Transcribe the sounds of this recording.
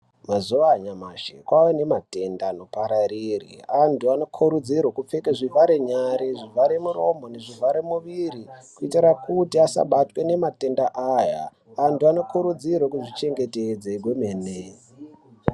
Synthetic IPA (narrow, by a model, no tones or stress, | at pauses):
mazuaɲamaʃḛkwawene̞mate̞ndano̞paɾaɾirḭantuanokʰuɾud͡zirwokup͡fekeʐivʱaɾeɲaɾeʐivʱaɾemuro̞mo̞ne̞ʐivʱaɾemuʋirikuitirakutiasa̰ɓatwe̞ne̞mate̞ndaʔaja̰ | antuanokuɾud͡zirwekuʐit͡ʃe̞ŋɡe̞ted͡zeɡʱwemeːne